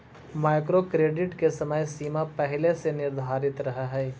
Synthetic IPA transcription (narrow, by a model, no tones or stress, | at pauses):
maːɪkɾokɾeːɖɪʈkesɐməjsiːmapɛɦlesenɪɾd̪ʱaːɾɪt̪ɾɐɦaɦɛː